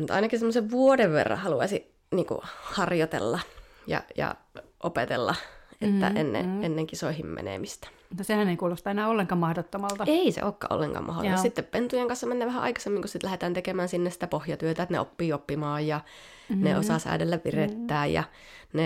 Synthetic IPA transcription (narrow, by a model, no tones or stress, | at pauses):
mut̪ɑ̰inɑkissemːoseʋʋuodeʋʋḛrːɑ̰̃hɑluɑsi | niːŋkṵhɑrjot̪ḛlːɑ | jɑ̰jɑ̰ʔopet̪ḛlːɑet̪ːæ̰ʔenːḛenːeŋkisoihimmḛnḛmist̪æ̥ | mut̪ːɑsehæneikuːlost̪ɑenæːolːeŋkɑːmɑhdot̪ːomɑlt̪ɑeisḛʔoːkːɑʔo̰lːeŋkɑ̰ːmɑ̰ho̰t̪mɑsit̪ːeppent̪ujeŋkɑnsːɑmenːeːʋæhæʔɑ̰ikɑsemːiŋkusit̪læhet̪æːnt̪ekemæːnsinːesi̥t̪æpohjɑt̪yøt̪æet̪nḛo̰pːiːopːimɑːjjɑ | nḛosɑsæ̰idelːæʋʋiret̪ːæːjjɑ̰ | ne